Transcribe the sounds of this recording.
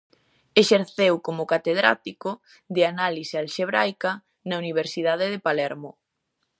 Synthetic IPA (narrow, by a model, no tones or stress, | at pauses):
eʃeɾθewkomʊkat̪eðɾa̰t̪ikʊ | d̪eanalisealʃeβɾajkɐ | nɐuniβ̞eɾsiðaðeðepalɛɾmo